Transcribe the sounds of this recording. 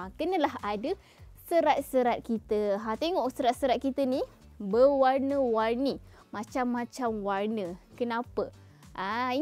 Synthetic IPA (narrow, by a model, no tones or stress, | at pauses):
kənə̃laɦadə | səɾat̪̚səɾat̪̚kit̪əɦat̪eŋɔʔsəɾat̪̚səɾat̪̚kit̪əni | bəwarnəwarni | mãt͡ʃamːãt͡ʃamwarnə̃kənãpə | ʔai